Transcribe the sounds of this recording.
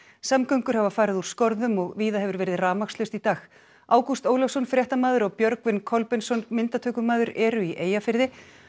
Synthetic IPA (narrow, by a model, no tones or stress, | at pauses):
samkœɥŋkʏɾ̥havafaːɾɪðuɾ̥skɔɾðʏmɔɣviːðaɦɛvʏɾvɛːɾɪðraːmakslʏst̪it̪aːx | aːwkust̪oːwlɔfsɔnfɾjɛht̪amaːðʏɾɔɣpjœɾkvɪnkʰɔlpɪnsɔnmɪnt̪at̪ʰœːkʏmaːðʏɾɛːɾʏiʔeːjafɪɾðɪ